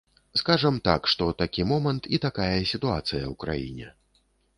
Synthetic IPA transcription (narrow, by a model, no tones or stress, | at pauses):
skaʐɐmt̪a̰kʂt̪ɔt̪akʲimɔmɐnt̪ʰit̪akajɐsʲit̪uat̪sɨjɐ̰wkɾa̰jḭnʲɛ̰